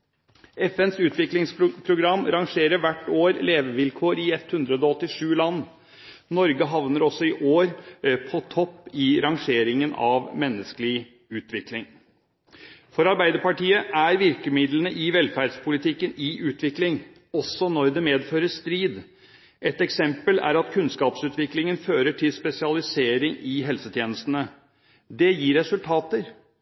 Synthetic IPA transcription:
ɛfɛnsʉːt̪ʰʋɪklɪŋspʰɾʊɡɾɑmːɾɑŋʂeːɾəʋæʈːoːɾleːʋəʋɪlkʰoːɾɪɛt̪hʉnd̪ɾəd̪ɔɔt̪ːɪʂʉːlɑnː | nɔɾɡəɦɑʋnəɾɔsɔɪʔoːɾpʰɔt̪ʰɔpːɪɾɑŋʂeːɾɪŋənɑ̰ʋmɛnːəskəlɪ | ʉːt̪ʰʋɪklɪŋ | fɔɾɑɾbæɪd̪əɾpɑʈiːəʔæɾʋɪɾkəmɪd̪lənəʔɪʋɛlfæːɖspʰʊlɪt̪ʰɪkːənɪʔʉːt̪ʰʋɪklɪŋ | ɔsɔnɔɾd̪ɛmeːd̪føːɾəʂt̪ɾiːd̪ | ʔɛt̪ɛksɛmpəlæ̰ɾɑt̪kʰʉnskɑːpsʉːt̪ʋɪklɪŋənføːɾəʈʰɪlspɛsɪɑlɪseːɾɪŋɪɦɛlsət̪ʰjeːnəst̪ənə | d̪ɛjiːɾɾɛsʉlt̪ʰɑːt̪əɾ

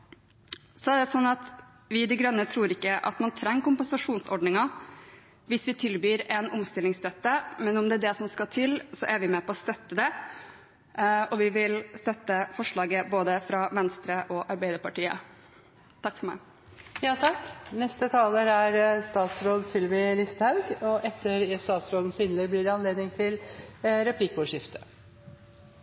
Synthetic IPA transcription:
sɔæɖ̪ɛsɔnːɑt̪ | ʋɪd̪ɪɡɾœnːət̪ʰɾuːɾɪkːəʔɑ̰t̪mɑnt̪ʰɾɛŋːkʊmpənsɑʂuːnsɔɖɳnɪŋɑ | ʋɪsʋɪt̪ʰɪlbyːɾɛnɔmst̪ɪlːɪŋst̪œt̪ːəmɛnɔmd̪ɛæɖɛsɔmskɑt̪ʰɪlsɔʔæɾʋɪmɛːpʰɔɔst̪œt̪ːəd̪ɛ | ɔʋɪʋɪlst̪œt̪ːəfɔʂɭɑːɡəboːd̪əfɾɑʋɛnst̪ɾəʔɔʔɑɾbæɪd̪əɾpɑʈiːə̰ | t̪ʰɑkːfɔɾmæɪ | jɑːt̪ʰɑkːnɛst̪ət̪ʰɑːləɾæɾst̪ɑːt̪sɾoːd̪sɪlʋɪlɪst̪hɑʉɡɔʔɛt̪ːəɾst̪ɑːt̪sɾoːd̪n̩sɪnləblɪɖɛɑnleːd̪nɪŋt̪ʰɪlɾɛpʰlikɔʂɪft̪ʰə̥

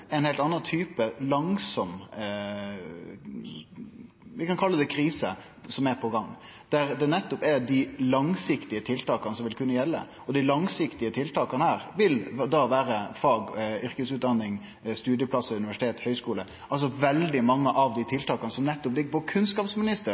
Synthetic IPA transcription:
ɛɪnhɛɪlt̪ɑnːɑnt̪ʰyːpəlɑŋsɔm | ʋɪkɑnkʰɑlːəd̪ɛkʰɾiːsə̰ | sɔmæɾpʰɔɡɑŋː | d̪̥æɾd̪ɛnɛt̪ːɔpæɾd̪ɪlɑŋsɪkt̪ɪət̪ʰɪlt̪ɑːkɑnəsɔmʋɪlkʰʉnːəjɛlːə̰ | ɔd̪ɪlɑŋsɪkt̪ɪət̪ʰɪlt̪ɑːkɑnəhæːɾʋɪld̪ɑʋæːɾəfɑːɡʏɾkəsʉːt̪̚d̪ɑnːɪŋ | st̪ʉːd̪jəpʰlɑsəʉnɪʋæʂɪ̥t̪eːt̪hœʏskuːlə | ʔɑls̬ɔʋɛld̪ɪmɑŋːəʔɑʋd̪ɪt̪ʰɪlt̪ʰɑːkɑnəsɔmnɛt̪ːɔp̚d̪ɪkbɔkʰʉnskɑːpsmɪnɪst̪ə

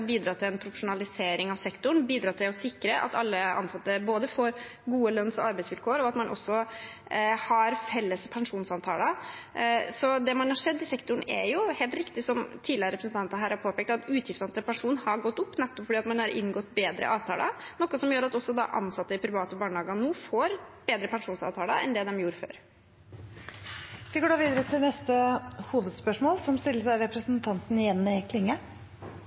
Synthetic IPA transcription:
biːd̪ɾɑːt̪ʰɪlɛnpʰɾʊfəʂʊnɑlɪseːɾɪŋɑʋsɛkt̪ʊɳ̩biːd̪ɾɑːt̪ʰɪlɔsɪkːɾəʔɑ̰t̪ɑlːəɑ̰nsɑt̪ːəboːd̪əfoːɾɡuːəlœnːsɔɑɾbæɪsʋɪlkʰoːəɾɔɑt̪mɑnʔɔ̰sːɔ | hɑɾfɛlːəspʰɛŋʂuːnsɑnt̪ʰɑ̰ːlə | sɔd̪ɛmɑnhɑʂɛd̪ːɪsɛkt̪ʊɳɛ̰jʊheːlt̪ɾɪkt̪ɪsɔmt̪ʰiːd̪lɪəɾəɾɛpɾəsn̩t̪ɑnt̪ənəɦæːɾhɑɾpʰoːpɛːk̚t̪ɑt̪ʉːt̪ʰjɪft̪sɑnt̪ɾəpɛɳʂuːnhɑɡɔt̪ːʊpːnɛt̪ːɔpfɔɖiːɑt̪mɑnhɑɾʔɪ̰nɡɔt̪ːbeːd̪ɾə̰ʔɑːʋt̪ʰɑ̰ːlʔə̰nɔkːɔsɔmjøːɾɑt̪ɔsːɔd̪ɑ̰ʔɑ̰nsɑt̪ːəɪpʰɾɪʋɑːt̪əbɑːɳəɑːɡɑnuːfoːɾb̥eːd̪ɾəpɛnʂuːnsɑ̰ʋt̪ʰɑːləɛ̰nd̪ɛd̪ɛmjuːɾəfø̰ːɾ | ʋɪɡoːɖd̪ɑːʋiːd̪əɾət̪ʰɪlnɛst̪əhuːʋəd̪spœʂmoːlsɔmst̪ɪlːəʂæɪɾɛpɾəsnt̪ʰɑnt̪n̩ɪjɛnːɪkʰlɪŋːə

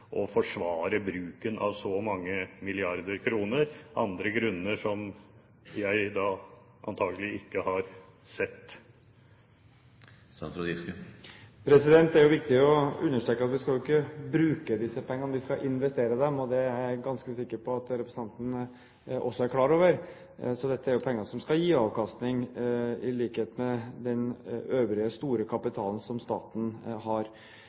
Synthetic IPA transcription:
ʔɔfɔʂʋɑːɾəbɾʉːkənʔɑ̰ʋsɔmɑŋːəmɪlɪɑɾd̪əɾkʰɾuːnəɾʔɑ̰nd̪ɾəɡɾʉnːəʂɔm | jæɪd̪ɑː | ʔɑ̰nt̪ʰɑːɡəlɪɪkːəhɑɾ | sɛt̪ː | sɑnsɾʊd̪iskəpʰɾɛsɪd̪ɛnt̪æɾjʊʋɪk̚t̪ɪɔʉnːəʂʈ̪ɾøːkəɑt̪ʋɪskɑlʊɪkːəbɾʉːkəd̪ɪsːəpʰɛŋːənʋɪskɑʔɪnʋɛst̪eːɾəd̪ɛmɔd̪ɛæɾɡɑnskəsɪkːəɾpʰɔɑt̪ɾɛpɾəsn̩ɑnt̪n̩ə | ʔɔ̰sːɔæɾkʰlɑːɾoːʋəɾ | sɔd̪ɛt̪ːəæɾjʊpʰɛŋːəʂɔmskɑjiːɑːʋkɑst̪nɪŋɪliːkheːt̪mɛd̪ɛnøːʋɾɪəst̪uːɾəkʰɑpɪt̪ʰɑːln̩sɔmst̪ɑ̰ːt̪n̩ɦɑɾ

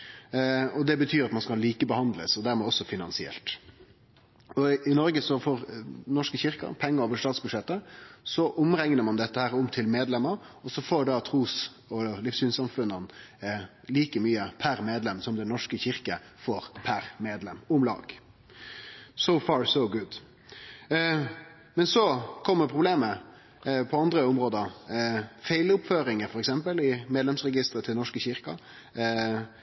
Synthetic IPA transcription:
ɔd̪ɛbət̪ʰyːɾɑt̪mɑnskɑlliːkəbəhɑnd̪ləsɔd̪æɾmɛɔsːɔfɪnɑnsɪɛ̰lt̪ | ɔɪnɔɾɡəsɔfɔːɾnɔʂkəçɪɾkɑ̰pʰɛŋːəɾoːʋəʂt̪ɑːt̪sbʉd̪ʂɛt̪ːəsɔʔʊmɾɛŋnəɾmɑnd̪ɛt̪ːəhæːɾʊmt̪ʰɪlmeːd̪lɛməɾɔsɔfoːɖɑt̪ʰʁuːs | ɔlɪfsyːnsɑmfʉnən | liːkəmyːəpʰæɾmeːd̪lɛmsɔmd̪ɛnːɔʂkəçɪʁkə | foːɾpʰæɾmeːd̪lɛmʊmlɑ̰ːɡ | soʊfɑːɹsoʊɡʊd̪ | mɛnsɔkʰɔmːəpʰɾʊbleːmə | pʰɔɑnd̪ɾəʊmɾoːd̪ə | feɪlʊpføːɾɪŋəɾfɔɾɛksɛmpəlɪmeːd̪lɛmsɾɛɡɪst̪ɾət̪ʰɪlnɔʂkəçɪɾkɑ

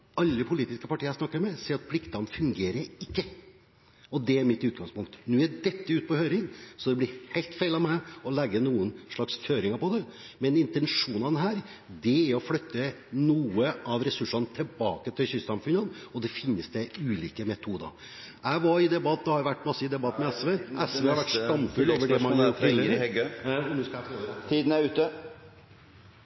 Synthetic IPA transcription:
ɑlːəpʰʊliːt̪ɪskəpɑʈʰiːəɾsnɑkːəɾmɛsɛɑt̪̚pʰlɪkt̪ɑnfʉŋɡeːɾəɾɪkːə | ɔd̪ɛæɾmɪt̪ʉːt̪̚ɡɑŋspʊŋkt̪nʉːæɖɛt̪ːəʉːt̪̚pɔhøːɾɪŋsɔd̪ɛblɪhæɪlt̪fæɪlɑʋmæɪɔlɛɡːənuːənʂɭɑksføːɾɪŋəɾpɔd̪ɛmɛnɪnt̪ɛnʂuːnɑnɦæːɾ | d̪ɛæɾɔflœt̪ːə | nuːəʔɑʋɾɛsʉʂːɑnət̪ʰɛlbɑːkət̪ʰɪlçʏssɑmfʉnənɔd̪ɛfɪnːəsd̪ɛʉːliːkəmɛt̪ʰuːd̪ə̰ɾ | æɪʋɑɾɪd̪ɛbɑt̪ːd̪ɛhɑɾʋæʈːmɑsːəɪd̪ɛbɑt̪ːmɛɛsʋeɛsʋeːhɑɾʋæʈːst̪ɑnfʉloːʋəɖɛmɑnjʰɪlɡɔnʉːskɑæfot̪ʰiːd̪n̩æɾʉːt̪ə

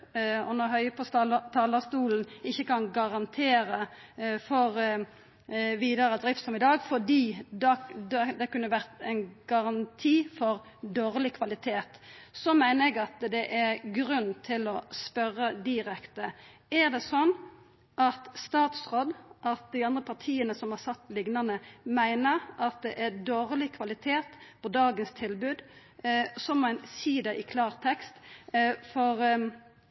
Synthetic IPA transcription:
ɔnɔɦœʏəpʰɔt̪ʰɑːləst̪uːln̩ɪçːəkɑnɡɑʁɑnt̪ʰeːɾə | fɔʁ | ʋiːd̪ɑɾəd̪ʁɪft̪sɔmɪd̪ɑːɡfɔd̪iːd̪ɑd̪ɛd̪ɛkʉnːəʋæʁt̪æɪnɡ̥ɑʁɑnt̪ʰiːfɔʁ | d̪oːɾlɪkʰʋɑlɪt̪ʰeːt̪sɔmæɪnəɾɛɡɑt̪d̪ɛʔæʁɡɾʉnːt̪ʰɪlɔspœɾːəd̪ɪɾɛkt̪əæʁd̪ɛsɔnː | ʔɑt̪st̪ɑːt̪sʁɔd̪ʔɑt̪̚d̪ɪɑnd̪ʁəpʰɑʁt̪ʰiːənəsɔmhɑsɑt̪ːlɪɡnɑnəmæɪnəɾʔɑt̪̚d̪ɛʔæʁd̪oːɾlɪkʰʋɑlɪt̪ʰeːt̪pʰɔd̪ɑːɡənst̪ʰɪlbʉːd̪ | sɔmæɪnsiːd̪ɛʔɪkʰlɑːʁt̪ʰɛkst̪fɔɾ

